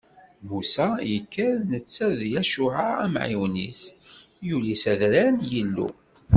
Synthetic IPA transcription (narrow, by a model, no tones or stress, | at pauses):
musæjəkːəɾnət͡sːæðjæʃuʕaæmʕḭwnḭs | julisæðɾænjəlːṵ